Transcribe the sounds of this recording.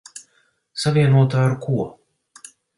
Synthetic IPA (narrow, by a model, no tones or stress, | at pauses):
savʲiɛnuɔt̪aːɾkuɔ